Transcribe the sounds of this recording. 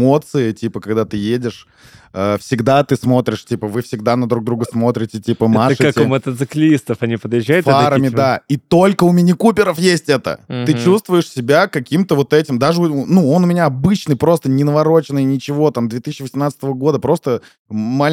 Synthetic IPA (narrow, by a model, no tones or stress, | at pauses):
o̞t̪sɨɪtʲipəkɐɡd̪at̪ɨjedʲɪʂ | əfsʲɪɡd̪at̪ɨsmo̞t̪ɾʲɪʂtʲipəvɨfsʲɪɡd̪anəd̪ɾuɡd̪ɾuɡəsmo̞t̪ɾʲɪtʲɪtʲipəmaʂat̪ʲmət̪ət̪sɨklʲist̪əfɐnʲipəd̪jɪʒːajʊt̪faɾəmʲɪd̪ait̪o̞lʲkəʊmʲɪnʲɪkupʲɪɾəfjesʲtʲɛt̪ə̰t̪ɨt͡ɕust̪vʊjɪʂsʲɪbʲakɐkʲimt̪əvo̞t̪ɛtʲɪmd̪aʐɨʊnuo̞nʊmʲɪnʲaɐbɨt͡ɕnɨjpɾo̞st̪ənʲɪnəvɐɾo̞t͡ɕɪnəjnʲɪt͡ɕɪvo̞t̪amd̪vʲet̪ɨs̬ʲːɪvəsʲɪmnat̪sɨt̪əvəɡo̞d̪əpɾo̞st̪ə | malʲ